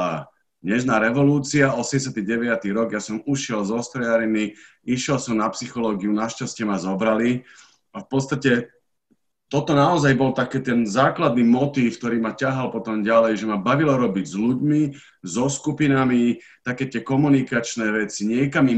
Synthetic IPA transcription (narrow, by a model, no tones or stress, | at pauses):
a | d̪ɲɛʒnaːɾɛʋɔluːt͡siaɔsɛɟɛs̬jat̪iɟɛʋɪat̪iɾɔɡjasɔmuʃɪɛlzɔst̪ɾɛjaɾimi | iʃjɛlsɔmnapsixɔlɔːɡiunaʃcascɛmazɔbɾali | afpɔt̪st̪acɛ | t̪ɔt̪ɔnaɔzajbɔlt̪akɛːt̪ɛnzaːklad̪̚nimɔt̪iːfkt̪ɔɾiːmacaɦalpɔt̪ɔmɟalɛjʒɛmabaʋilɔɾɔbiɟzluɟmi | zɔskupinami | t̪akɛːt̪ɪɛkɔmunikat͡ʃnɛːʋɛt͡siɲɪɛkami